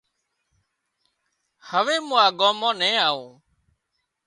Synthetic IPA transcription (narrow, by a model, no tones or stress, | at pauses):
həʋeːmũːaːɠɔ̃ːmãːnɛ̃ːaːõː